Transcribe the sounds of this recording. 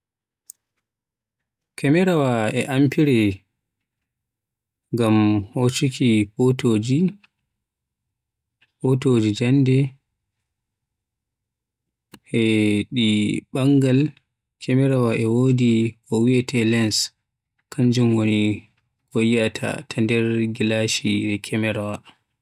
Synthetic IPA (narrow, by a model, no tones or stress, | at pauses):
kʰɛmɛɾawaɛʔampiɾɛ | ɡamhot͡ʃikʰipotod͡ʒi | potod͡ʒid͡ʒandɛ | ʔɛɗiɓaŋɡal | kʰɛmɛɾawaʔɛwodikɔwiɛtɛlɛns | kʰaɲd͡ʒumwoni | ɡɔjiatʰa̰tʰandɛɾɡilaʃidɛkʰɛmɛɾawa